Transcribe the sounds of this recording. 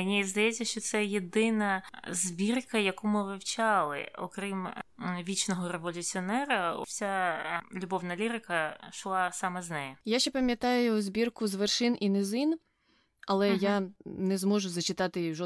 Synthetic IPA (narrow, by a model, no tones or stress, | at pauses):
nʲizd̪ɐjɛːɐʃt͡ʃɔt̪sɛjed̪ɪnɐzʲbʲirkɐjɐkumɪʋɪwt͡ʃɑlˠɪ̰ɔ̰kɾimʋʲit͡ʃnɔɦɔɾeʋɔlʲʊt͡sʲiɔnɛɾɐsʲalʲʊbɔwnɐlʲiɾɪkɐʃlˠɑsɑmɐznɛjɛjaʃt͡ʃːɛpɐmʲjɐt̪ɑjʊzbʲirkʊzʋerʃɪnʔinɪzin | ɐlˠɛjanɛzmɔʒʊzɐt͡ʃɪt̪ɑt̪ɪʒɔ